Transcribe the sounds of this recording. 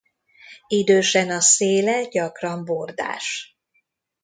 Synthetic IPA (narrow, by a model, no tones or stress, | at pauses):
id̪øːʃɛnɒseːlɛɟɒkrɒmbord̪a̰ːʃ